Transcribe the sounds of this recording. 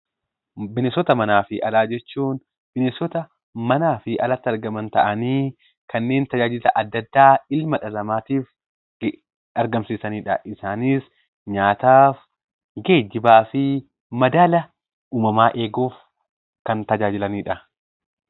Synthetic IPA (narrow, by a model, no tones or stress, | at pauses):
bɪnesɔt̪ɐmɐnaːfɪʔɐlaːd͡ʒɛt͡ʃːuːn | b̥ɪnesɔt̪ɐ | mɐnaːfɪʔɐlɐt̪ːɪɐɾɡɐmɐnt̪ɐʔɐniː | kɐnːe̞ːnt̪ɐd͡ʒaːd͡ʒɪlɐʔɐd̪ːɐd̪ːaːɪlmɐᶑɐlɐmaːt̪iːf | ɐɾɡɐmsiːsɐniːᶑɐʔɪsaːniːs | ɲaːt̪aːf | ɡe̞ːd͡ʒːɪbaːfɪ | mɐd̪aːlɐ | uːmɐmaːʔe̞ːɡoːf | kɐnt̪ɐd͡ʒaːd͡ʒɪlɐniːᶑɐ